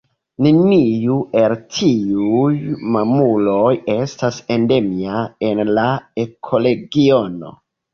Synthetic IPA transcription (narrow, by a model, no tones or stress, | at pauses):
nenijuʔe̞ltʰiujmamulo̞je̞stase̞ndemiae̞nlae̞kʰo̞le̞ɡio̞no̞̰